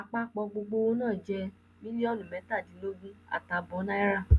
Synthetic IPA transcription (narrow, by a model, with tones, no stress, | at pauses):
a˧k͡pa˦k͡pɔ˧ɡ͡bo˧ɡ͡bo˧o˦nãː˦˨d͡ʒɛ˧ | mĩ˦nĩ˦ɔ˦lũ˨mɛ̃˨˦ta˦˨dĩ˨˦lo˦ɡĩ˦a̰˨ta˨bɔ˨˦nã˦i˦ɾa˦˨